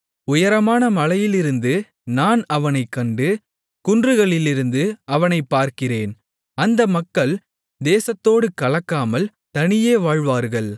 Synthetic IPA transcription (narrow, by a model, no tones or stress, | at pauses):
ʊjɐɾɐmaːnɐmɐlɐjɪlɪɾɯnd̪ɯ | naːnɐʋɐnɐɪkːɐɳɖɯ | kʊndrɯɣɐɭɪlɪɾɯnd̪ɯɐʋɐnɐɪpːaːɾkɪreːn | ɐnd̪ɐmɐkːɐɭ | d̪eːsɐt̪ːoːɽɯkɐɭɐkːaːmɐl | t̪ɐnɪjeːʋaːɻʋaːɾɣɐɭ